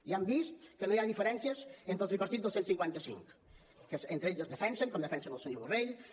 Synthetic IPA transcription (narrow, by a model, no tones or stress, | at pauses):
iambist̪kənojaðifəɾɛnsiəzent̪ot̪ɾipəɾt̪it̪əlˠsensiŋkwant̪əsḭŋk | kəsent̪ɾeʎzəzðəfɛnsəŋkɔmd̪əfɛnsənəlˠsoɲoβureʎ